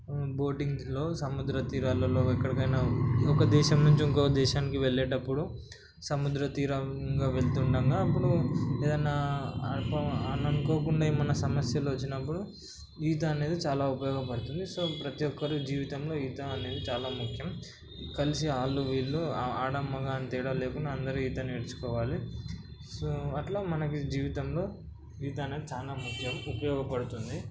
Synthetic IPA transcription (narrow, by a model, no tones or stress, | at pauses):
bo̞ːʈiŋɡlo̞ːsɐmud̪ɾɐt̪iːɾaːlɐloːɛkːɐɽikɐjnaːɔkɐd̪ɛːʃɐmnuɲt͡ʃiiŋkokɐd̪ɛːʃaːnikiʋeɭːeːʈɐpːuɽu | sɐmud̪ɾɐt̪iːɾɐŋɡaːʋe̞ɭt̪uɳɖɐŋɡaːɐpːuɽueːd̪ɐjnːaːɐpɐɐnɐnukoːkuɳɖaːimːɐnɐsɐmɐsjɐluːʋɐt͡ʃːinɐpːuɽu | iːt̪̬ɐːne̞ːd̪it͡ʃaːlaːupɐjɔːɡɐpɐɽut̪und̪iso̞ːpɾɐt̪ijɔkːɐɾud͡ʒiːʋit̪ɐmlo̞ːiːt̪ɐːne̞ːd̪it͡ʃaːlaːmukʰjɐm | kɐlisiaːlːuʋiːlːuaːɽɐmːɐɡaːnt̪iːɽɐle̞ːkunːɐːnd̪ɐɾuiːt̪ɐnieɽut͡ʃu̥kɔːʋaːli | soɐʈloːmɐnɐkid͡ʒiːʋit̪ɐmlo̞ː | iːt̪ɐɐne̞ːd̪it͡ʃaːlaːmukʰjɐmupɐjɔːɡɐpɐɽut̪und̪i